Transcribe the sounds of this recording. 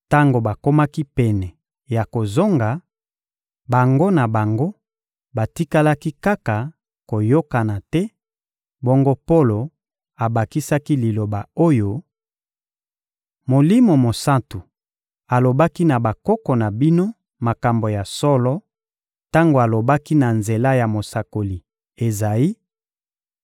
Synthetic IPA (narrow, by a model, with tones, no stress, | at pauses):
ta˦ŋɡo˨ba˨ko˦ma˦ki˦pɛ˨nɛ˨ | ja˨ko˨zo˦ŋɡa˨ | ba˨ŋɡo˦na˨ba˨ŋɡo˦ | ba˨ti˦ka˦la˦ki˦ka˦ka˨ | ko˨jo˦ka˨na˨tɛ˦ | bɔ˦ŋɡo˦po˦lo˨ | a˨ba˨ki˦sa˦ki˦li˨lo˨ba˨o˦jo˦ | mo˨li˦mo˨mo˨sa˦ntu˨ | a˨lo˨ba˦ki˦na˨ba˨kɔ˦kɔ˨na˨bi˦no˦ | ma˨ka˨mbo˨ja˨sɔ˦lɔ˦ | ta˦ŋɡo˨a˨lo˨ba˦ki˦na˨nze˨la˦ja˨mo˨sa˨ko˨li˨ | e˨za˨ji˦